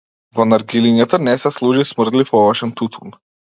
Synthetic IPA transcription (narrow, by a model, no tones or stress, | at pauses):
vɔnaɾɡiliɲat̪anɛsɛslˠuʒismr̩d̪lifɔvaʃɛnt̪ut̪ʰun